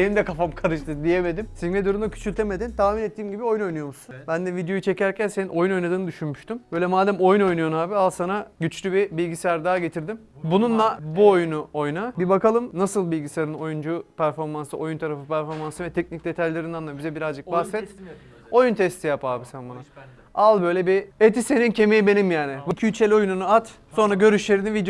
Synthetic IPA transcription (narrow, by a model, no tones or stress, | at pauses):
enind̪ɛkʰafamkʰaɾɯʃt̪ɯd̪ijeme̞d̪imsived̪uɾund̪akcʰy̥t͡ʃʰylʲt̪ʰeme̞d̪int̪ʰaːminet̪ːiːmɟibio̞juno̞jnujo̞musunbænd̪ɛvid̪ejo̞jut͡ʃʰe̞cæɾcʰænse̞nino̞juno̞jnad̪ɯːnɯd̪yʃynmyʃt̪ʰymbøjlʲɛmaːd̪æmo̞juno̞jnujonaːbialˠsanaɟyt͡ʃlʲybibilʲɟisɛjæɾd̪aːɟe̞t̪ʰiɾd̪im | bununlˠabuojunuo̞jnabibakalˠɯmnasɯlˠbilʲɟiseaɾɯno̞jund͡ʒupʰæɾfo̞ɾmansɯʔo̞junt̪ʰaɾafɯpʰæɾfo̞ɾmansɯvɛt̪ʰɛc̚nic̚d̪e̞t̪ʰajlʲe̞ɾind̪anˠabizɛbiɾazd͡ʒɯk̚baxsɛt̪ | o̞junt̪ʰɛst̪ʰijapaːbisænbana | alˠbø̞jlʲɛbiet̪ise̞nincʰe̞mejibe̞nimjaːnɪvicʰyyt͡ʃʰe̞lʲio̞jununuat̪ | so̞nɾaɟø̞ɾyʃlʲe̞ɾinivid̪